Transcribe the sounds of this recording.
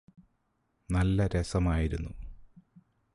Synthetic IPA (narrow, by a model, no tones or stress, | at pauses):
nɐlːɐɾesɐmaːjiɾunːu